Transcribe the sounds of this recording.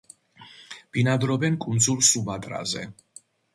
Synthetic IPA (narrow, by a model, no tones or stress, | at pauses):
b̥inad̪ɾɔbɛnkʼund̪zulsubad̪ʼɾa̰zɛ̰